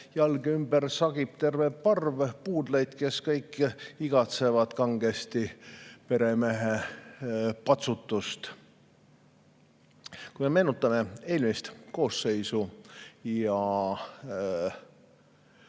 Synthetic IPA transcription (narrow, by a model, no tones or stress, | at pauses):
jɑlɡymbərsɑɡ̥ib̥̚t̪e̞rvepɑrvpuːd̪̥lejd̪̥ke̞skɤjkːiɡ̥ɑt̪se̞vɑd̪̥kɑŋɡ̥e̞st̪ipe̞ɾe̞meɦe | pɑt̪sut̪ˑːust̪ | kujmeme̞ːnut̪ːˑɑme̞e̞ːlmist̪ko̞ːsːe̞jsujɑ